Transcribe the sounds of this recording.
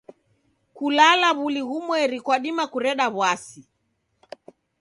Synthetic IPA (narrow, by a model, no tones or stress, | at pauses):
kulalaβuliɣumwɛɾikwaɗimakuɾɛɗaβwasi